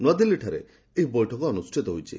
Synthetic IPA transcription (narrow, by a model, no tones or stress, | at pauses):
nwad̪ilːiʈʰaɾḛ | eɦibɔjʈʰɔkɔːnusʈʰit̪ɔɦujt͡ʃʰḭ